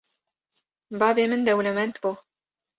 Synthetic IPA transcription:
bɑːveːmɨnd̪ɛwlɐmɛnt̪bo

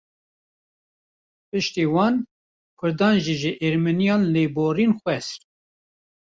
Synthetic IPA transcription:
pɨʃt̪iwɑːn | kʰʊɾd̪ɑːnʒiʒəʔeɾmɨnijɑːnleːboːɾiːnxʷwɛsɾ

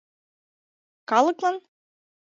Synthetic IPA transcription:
kɑlˠɤklˠɤn

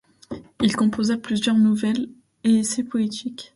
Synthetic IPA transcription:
ilkɔ̃pʰozaplyzjœʁnuvɛl | eesepɔet̪ʰikʲ

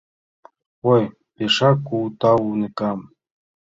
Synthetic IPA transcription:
oj | peʃɑkut̪ɑwunikɑm

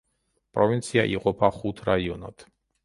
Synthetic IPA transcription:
pʼɾɔvint̪sʰiaʔiqʼɔpʰaχut̪ʰɾaiɔna̰t̪ʰ

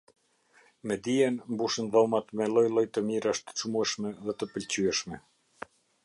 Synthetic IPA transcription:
mɛd̪iɛnmbuʃənðɔmat̪mɛlˠɔjlˠɔjt̪əmiɾaʃt̪ə̥t͡ʃmuɛʃmɛðɛt̪əpəlt͡ɕyɛʃmɛ

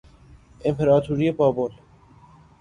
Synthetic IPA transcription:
empʰeɾaːt̪ʰuːɾiepaːbol

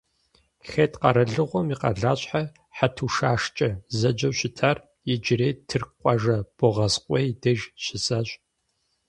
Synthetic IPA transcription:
xetqɐɾɐɮɨʁʷɔmiqɐ̰ɮaːɕʼħa | ħatʰuːʃaːʂt͡ʃʼɐzɐd͡ʒɐwɕɪtʰar | jɪd͡ʒɪreːtʰɨrqʷʼɑʒɐb̥ɔʁɐsqʷʼɔjdɐʒɕɪsaːɕʼ

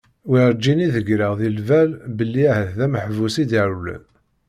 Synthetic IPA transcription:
wiɾd͡ʒːiniðəɡɾəʁðilvælbəlːiæhəθðæməħvusid̪iɾulə̰n

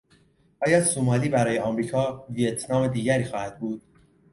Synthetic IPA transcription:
ʔɒːjɒsomɒːliːbæɾɒːjeɒːmɾiːkʰɒːvijet̪ʰnɒːmed̪iːɟæɾiːxɒːhæd̪̥̚buːd̪̥̚

